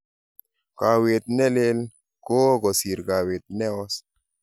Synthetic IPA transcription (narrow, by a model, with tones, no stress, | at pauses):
ka˨we˨t̪̚nɛ˦le˦l | ko˦ɡɔ˨si˨ɾka˨we˨t̪̚nɛ˦ɔ˦s